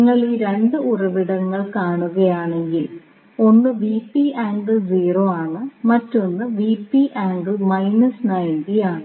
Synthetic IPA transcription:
ŋːɐɭiɾe̞nd̪ɨʔurɐʋiɽɐŋːɐɭkaːɳuɣɐjaːɳe̞ŋɡil | o̞nːɨʋiːpːiaːŋɡɨd͡ʑiːroːaːɳɨmɐtːo̞nːɨʋiːpːiʔaːŋɡɨmɐjnɐsnɐjndijaːɳɨ

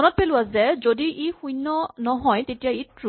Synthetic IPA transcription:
ɔnɔt̚pelʊazɛzodiʔixujnːɔnɔɦɔjtetijaitɹu

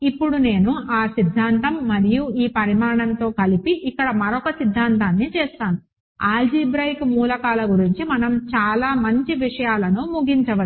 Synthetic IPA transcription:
ipːuɽune̞ːnuʔaːsid̪ʱːaːnt̪ɐmːɐɾijuiːpɐɾimaːɳɐnt̪o̞ːkɐlipiʔikːɐɽɐmɐɾɔkɐsid̪ʱːaːnt̪aːnːit͡ʃeːst̪aːnu | aːld͡ʒiːbɾɐjkmuːlɐkaːlɐɡuɾiɲt͡ʃimɐnɐmt͡ʃaːlaːmɐɲt͡ʃiʋiʂɐjaːlɐnumuɡiɲt͡ʃɐʋɐ

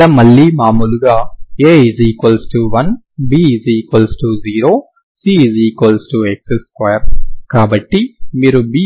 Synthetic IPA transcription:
ɐmɐɭːiːmaːmuːluɡaːeːiziːkʋɐlsʈuʋɐn | biːziːkʋɐlsʈuziːɾoː | siːiziːkʋɐlsʈuekseskwɐjɐɾkaːbɐʈːimiːɾubiː

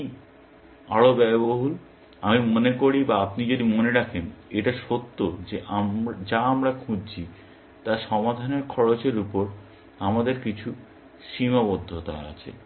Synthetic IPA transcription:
i | a̰ɽobɛboɦul | amimonekoɽibaapnid͡ʑod̪imoneɾakʰeneʈaʃot̪ːod͡ʑeʔad͡ʑaamɾakʰũd͡ʑt͡ɕʰi | t̪aʃɔmad̪ʱaneɾkʰɔɾot͡ɕeɾupoɾ | amad̪eɾkit͡ɕʰu | ʃimabod̪ʱːot̪a̰a̰t͡ɕʰḛ

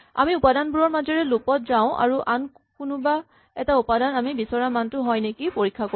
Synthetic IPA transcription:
a̰miupadanbuɹɔɹmazɔɹɛlupɔt̚zaʊ̃ʔa̰ɹuʔan | kʊnʊba | ɛtaupadanamibisɔɹamantʊɦɔjnekipoɹikʰːako

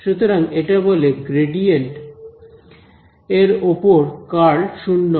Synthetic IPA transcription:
ʃut̪oɾaŋeʈaboleɡɾeɖijeɳʈ | eɾopoɾkaɭʃunːo

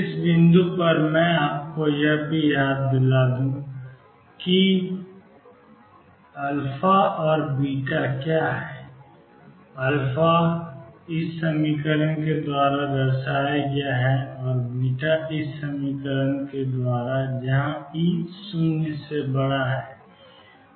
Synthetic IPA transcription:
ɪsbɪ̃nd̪upɐɾmɛ̃aːp̚kojɐɦbʱijaːd̪̚bɪlaːd̪ũ | ki | ɐlpʰaʔɔːɾbiːʈakjaːɦɛː | ɐlpʰa | ɪsːəmikəɾənked̪waːɾad̪əɾsaːjaɡɪjaɦɛɔːɾbiːʈaɪsːəmiːkəɾənked̪waːɾad͡ʒɐɦãisʊnsebəɽaɦɛː

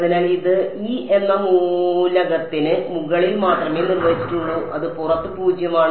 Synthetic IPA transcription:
ðinaːliðɨiːʔe̞nːɐmulɐɣɐt̪ːinɨmuɣɐɭilmaːt̪rɐme̞ːnirʋɐɦit͡ɕːi̥ʈːuɭːuʔɐðɨpurɐt̪ːɨpuːd͡ʑjɐmaːɳ

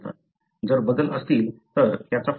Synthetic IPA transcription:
t̪a̰ | d͡zəɾbəd̪ələst̪iːlt̪əɾt̪jat͡saf

